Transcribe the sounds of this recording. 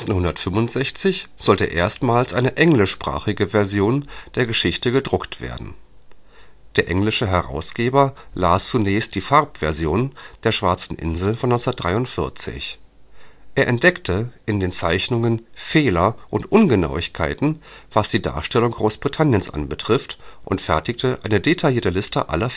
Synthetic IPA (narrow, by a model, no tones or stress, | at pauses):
t͡snhʊndɐtfʏmʊntz̥ɛçt͡sɪçz̥ɔltə̰ʔeːɐstmaːlsʔaɪnəʔɛŋlɪʃpʁ̥a̰ːχɪɡəvɛɐzjoːnd̥eːɐɡəʃɪçtəɡədʁʊktv̥ḛːɐdn̩ | d̥eːɐʔɛŋlɪʃəɦɛʁa̰ʊsɡ̥eːbɐlaːst͡sunɛːçst̚d̥iːfaɐpv̥ɛɐzjoːnd̥eːɐʃv̥aɐt͡sn̩ʔɪ̰nzl̩fɔnːɔnsɐtd̥ʁaɪʊntfɪɐt͡sɪ̰ç | ʔeːɐʔɛ̰nt̚d̥ɛktʰəʔɪndeːnt͡saɪçnʊŋənfeːlɐʔʊntʔʊnɡəna̰ʊɪçkʰa̰ɪtn̩ | v̥asd̥iːda̰ːɐʃtɛlʊŋɡʁoːsb̥ʁitʰanjənsʔa̰nbətʁ̥ɪftʔʊntfɛɐtɪçtʰəʔa̰ɪnədetʰaljiːɐtəlɪstə̰ʔa̰lɐ